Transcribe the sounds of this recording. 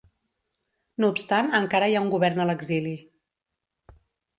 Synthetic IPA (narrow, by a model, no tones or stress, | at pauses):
nuːpst̪anəŋkaɾəjauŋɡuβɛrnələɡzili